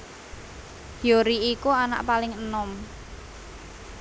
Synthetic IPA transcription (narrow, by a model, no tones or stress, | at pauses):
joɾiikuana̰ʔpalɪŋənɔm